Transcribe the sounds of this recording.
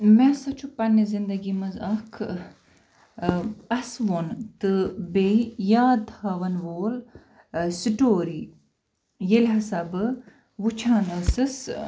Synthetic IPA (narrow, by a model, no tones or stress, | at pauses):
mɛ̃sɐt͡ʃʰupɐnizind̪ɐɡimɐzɐkʰ | ɐsʋont̪ɨbeijaːd̪haʋɐnʋoːl | siʈoːɾi | jelʲɦɐsɐbɨ | ʋut͡ʃʰaːnɐsɨs